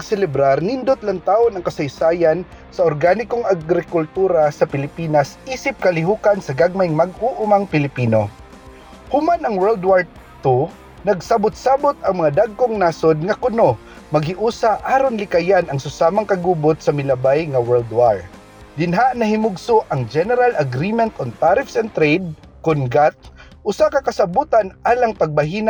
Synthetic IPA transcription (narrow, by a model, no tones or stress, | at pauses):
pɐɡsɛlɛbɾaɾnɪnd̪ot̪̚lɐŋt̪aːʔonɐŋkɐsɐjsaːjan | sɐoɾɡaːnɪkoŋɐɡɾɪkʊlt̪uːɾasɐpɪlɪpiːnɐsʔiːsɪp̚kɐlɪɦuːkansɐɡaɡ̚majŋmɐɡuʔʊmaŋpɪlɪpiːno | hʊmanɐŋwɛld̪waɹ | t̪u | nɐɡsabʊt̪̚saːbot̪ɐŋmɐŋad̪aɡ̚koŋnasod̪̚ŋɐkʊno̞ | mɐɡhɪʔuːsaʔaːɾonlɪkajanɐŋsʊsaːmaŋkɐɡuːbʊt̪̚sɐmɪlɐbajŋɐwɛld̪waɹ | d̪ɪnɦaʔnɐhɪmʊɡsʊʔɐŋd͡ʒɛnɛɾalɐɡɾimɛnt̪ɔnt̪aɾɪfsɛnt̪ɾɛjd̪̚ | kʊnɡat̪̚ | ʔʊsakɐkɐsɐbuːt̪anʔaːlɐŋpɐɡ̚bɐɦiːna